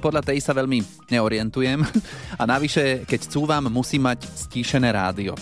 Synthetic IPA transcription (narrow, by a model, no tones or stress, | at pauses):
pɔd̪ʎat̪ɛjsaʋɛʎmi | ɲɛɔɾɪɛnt̪ujɛmanaʋiʃɛkɛct͡suːʋaːmːusiːmːacsciːʃɛnɛːɾa̰ːd̪iɔ̰